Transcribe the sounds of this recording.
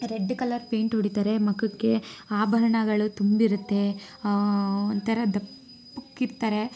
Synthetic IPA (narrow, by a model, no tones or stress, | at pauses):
ɾeɖːkɐlɐɾpe̞ːɳʈɦoɽit̪aːɾe̞mɐkukːe̞aːbʱɐɾɐɳɐɡɐɭut̪umbiɾut̪ːe̞ | ond̪t̪ʰɐɾɐd̪ɐpː | ukːiɾt̪aːɾe̞